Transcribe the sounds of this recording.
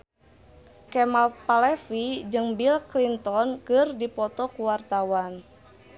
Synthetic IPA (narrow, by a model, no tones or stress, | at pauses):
kɛmalpalɛfid͡ʒɨŋbilklint̪ɔnkɨrdipɔt̪ɔkuwart̪awan